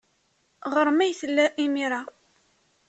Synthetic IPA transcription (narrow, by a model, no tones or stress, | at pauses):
ʁəɾˤmæjθəlːæʔimiɾa